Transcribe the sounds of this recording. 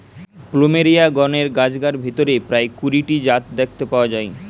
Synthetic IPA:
plomeɾiaɡɔneɾɡad͡ʑɡaɾbʱet̪oɾepɾaekuɾiʈid͡ʑat̪̚d̪ek̚ʰt̪epaoad͡ʑae

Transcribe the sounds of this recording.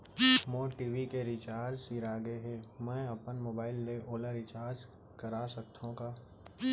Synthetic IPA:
moːʈiːʋikeɾit͡ʃaːɾd͡ʒsiːɾaːɡeɦemɛ̃ɐpənmoːbaːɪlːeoːləɾɪt͡ʃaːɾd͡ʒ | kəɾasək̚t̪ʰːõkaː

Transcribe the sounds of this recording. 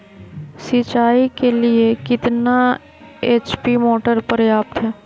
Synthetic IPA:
sit͡ʃaːikeliekɪt̪na | eːt͡ʃpimoːʈəɾpəɾjaːp̚t̪ɦɛː

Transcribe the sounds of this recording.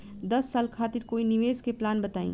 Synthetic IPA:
d̪ɐsːaːlkʰaːt̪iɾkoːiniʋeːzkeplaːnbɐt̪aːḭ̃ː

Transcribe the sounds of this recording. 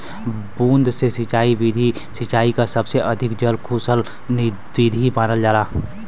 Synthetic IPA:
bũːnd̪sesɪt͡ʃaːiʋid̪ʱi | sɪt͡ʃaːikasəbseʔəd̪ʱɪkd͡ʒəlkʰusəl | ni | ʋid̪ʱibaːnəld͡ʒaːlaː

